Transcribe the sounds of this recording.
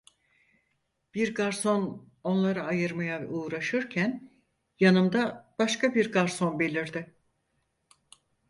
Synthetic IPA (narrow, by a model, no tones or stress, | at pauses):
b̥iɾɡaɾso̞n | o̞nlˠaɾaːjɯɾmajaɛuːɾaʃɯɾcʰæn | janɯmd̪ab̥aʃkabiɾɡaɾso̞nbe̞lʲiɾd̪ɪ